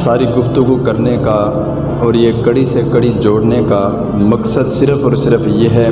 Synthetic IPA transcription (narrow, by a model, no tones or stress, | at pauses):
saːɾiɡʊft̪ʊɡukɐɾneka | ɔːɾjekɐɽisekɐɽid͡ʒoːɽneka | mɐksəd̪sɪɾəfɔːɾsɪɾəfjeɦɛ